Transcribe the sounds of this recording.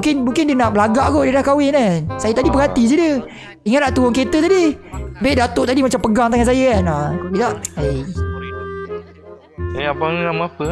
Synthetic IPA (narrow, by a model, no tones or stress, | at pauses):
ŋkɪnmuŋkɪndiənaʔbəlaɡaʔɡodiənaʔkawɪnasajat̪adipəɡɦat̪id͡ʒədə | iŋaʔnaʔt̪uwʊŋket̪ət̪adibeʔdat̪oʔt̪adimat͡ʃampəɡaŋt̪aŋansajəanakid̪aʔa | eapaŋnamaapə